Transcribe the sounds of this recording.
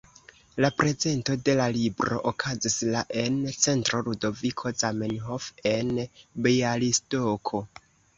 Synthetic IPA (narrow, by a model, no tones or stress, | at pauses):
lapɾe̞ze̞nto̞de̞lalibɾo̞̰ʔokʰazislaʔe̞nt͡se̞ntɾo̞ludo̞vikʰo̞zamenɦofe̞nbejalistokʰo